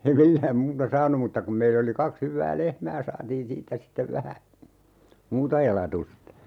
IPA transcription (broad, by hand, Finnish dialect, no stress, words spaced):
ei milːæːm muːtɑ sɑːnu mutːɑ kum meilː oli kɑks hyʋːæː lehmæː sɑːtiːn siːtːæ sitːeʋ ʋæhæ muːtɑ elɑtustɑ